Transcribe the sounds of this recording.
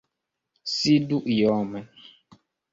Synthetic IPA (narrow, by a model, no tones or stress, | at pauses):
siduʔjɔːmɛ